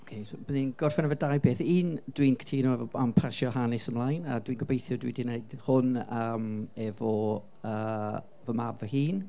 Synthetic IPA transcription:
okʰejsbəninɡ̥ɔrfɛnəvədajbeːθiːnd̥wiːnkʰtʰiːnoɛvɔampʰarʃɔɦanɪsəmlˠajna̰dwiːnɡwəbejθjʊdwidineɨd̥hʊnəːmɛvɔ | əː | vəmabvəhiːn

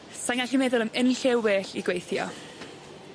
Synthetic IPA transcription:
saŋaɬimɛðʊlˠəmənɬewwɛːɬiɡwejθjɔ̰

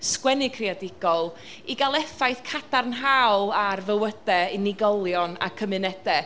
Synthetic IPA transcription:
skwɛnɪkʰriadɪɡ̥ɔlˠ | iɡalˠɛfajθkʰadarnɦawlˠarvəwəd̥ɛinɪɡɔlˠjɔna̰kʰəmɨnɛdɛ

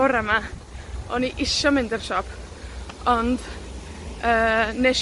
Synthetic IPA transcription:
ʊɾəma | ɔniʔɪʃɔmɪ̃ndərʃɔpʰ | ɔnd̥ | əːneʃ

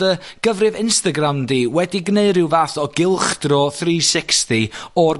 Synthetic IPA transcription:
əɡ̥əvrɨvɪnstaɡramdiːwɛdiɡneɨɾɪwvaːθɔɡɪlˠχd̥rɔːθriːsɪkstiɔr

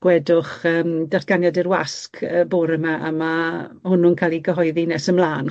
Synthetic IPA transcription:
ɡ̥wɛdʊχəːmdatɡ̥anjadiɾwa̰skʰəboːɾəmaʔa̰mahʊnʊnkʰalˠiɡəɦɔɨðinɛsəmlˠaːn

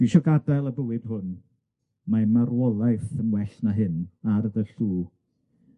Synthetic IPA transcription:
v̥iʃɔɡabɛlˠəbəwɨd̥hʊn | mamaɾwɔlˠajθənwɛɬnaɦɨnaɾəðəɬuː

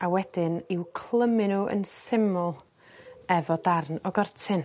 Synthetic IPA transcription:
awɛd̥ɪnɪwkʰl̥ˠəmɪnuʔə̰nsɪmʊlˠ | ɛvɔdarnɔɡɔrtʰɪn

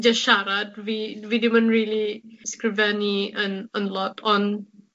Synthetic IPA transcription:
d͡ʒəsʃaɾat̚vividimə̃nɹiliskɹɪvɛniə̃nə̃nlɔtʰɔ̃n

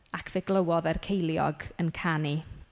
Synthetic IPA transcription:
akʰv̥eɡlˠəwɔðɛrkʰejlˠjɔ̰ɡənkʰani

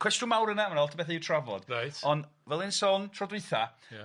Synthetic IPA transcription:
kʰwɛstʊmawɾənamanɔlˠtʰbɛθaɪwtʰravɔ̰d̥ajtɔndvɛlˠɪnsɔntʰrɔdwɨθa

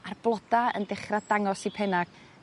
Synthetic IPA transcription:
arb̥lˠɔd̥aə̰ndɪχradaŋɔsipʰɛnaɡ̥

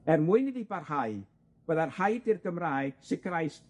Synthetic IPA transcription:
ɛrmuɨniðibarhaj | b̥əːðarhajdɪrɡəmraːjɡ̥sɪkɾajst

